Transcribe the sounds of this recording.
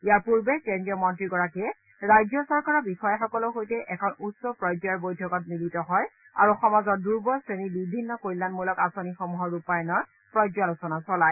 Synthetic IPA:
ijaɹpuɹbɛkendiɔmɔntɹiɡɔɹakɛ | ɹajzɔsɔɹkaɹɔbixɔjaxɔkɔlɔxojtɛʔɛkʰɔnutsɔpɹɔjd͡ʒɔjaɹbojdʱɔkɔt̚militɔɦɔj | a̰ɹuxɔmazɔɹduɹbɔsɹenibibʱinːɔkoɹilanmulɔkasonixɔmuɦɔɹupajɔnɔɹ | pɹɔjd͡ʒalosɔnasɔlaj

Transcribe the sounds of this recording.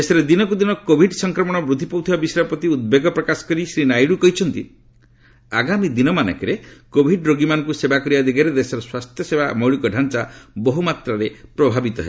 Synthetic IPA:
esɔɾed̪inɔkud̪inɔkobʱiɖsɔŋkɾɔmɔɽ̃ɔbɾud̪ʱipɔwt̪ʰibabisɾapɔt̪iud̪̚beɡɔpɾɔkasɔ̥kɔɾisɾinajɽukɔɦit͡ʃʰɔnt̪ḭ | a̰ɡamid̪inɔmanɔ̰kɔɾekobʱiɖɾoɡimanɔŋkusebakɔɾibad̪iɡaɾed̪esɔɾɔswast̪ʰjɔsebamɔɭikɔɖʱant͡ʃabɔɦumat̪ɾaɾepɾɔbʱabit̪ɔɦḛ

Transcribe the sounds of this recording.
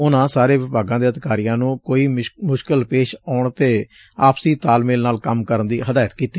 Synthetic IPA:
ʊnãːsaːɾeːʋɪbaːɡãːd̪eːəd̪ɪkaːɾijãːnũːkoːiːmʊʃkəlpeːʃaːʊɳt̪eː | aːpsiːt̪aːlmeːlnaːlkəmkəɾənd̪iːɦəd̪aːjət̪kiːt̪iː

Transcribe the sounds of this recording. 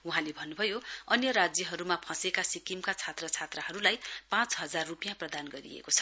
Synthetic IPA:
uɦãlebʱʌnːubʱʌjoʌnjʌɾad͡zjʌɦʌɾumapʰʌ̃sekasikimkat͡sʰat̪rʌt͡sʰat̪rʌɦʌɾulajpãt͡sɦʌd͡zarːupijãprʌd̪anɡʌɾḭḛkot͡sʰʌ̥

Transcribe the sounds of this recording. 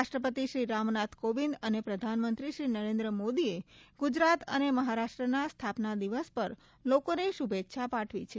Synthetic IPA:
aʃʈɾəpət̪iʃɾiɾamnat̪ʰkoʋĩnd̪ənepɾəd̪ʱanmənt̪ɾiʃɾinəɾẽnd̪ɾəmod̪ieɡ̥ud͡ʒɾat̪ə̰neməɦaɾaʃʈɾənast̪ʰapnad̪iʋəspəɾ | lokoneʃubet̪ːʃʰapaʈʰʋḭt͡ʃʰe

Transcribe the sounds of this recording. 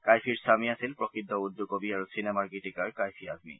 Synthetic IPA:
kajfʰiɹsamiasilpɹɔkʰid̪ʱːɔud̪ːokobiaɹosinɛmaɹɡiʈikaɹkajfʰiadmḭ

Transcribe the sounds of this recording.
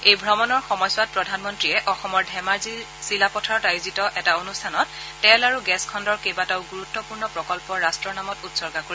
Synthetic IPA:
ejbʱɹɔmɔnɔɹxɔmɔjswat̚pɹɔdʱanmɔntɹijɛʔɔxɔmɔɹdʱɛmaɹzi | silapɔtʰaɹɔtajuzitɔʔɛtaonustʰanɔtː | ɛlaɹuɡɛskʰɔndɔɹkejbataʊɡuɹutːɔpuɹnɔpɹɔkɔlpɔɹastɹɔɹnamɔtutsɔɹɡakoɹi

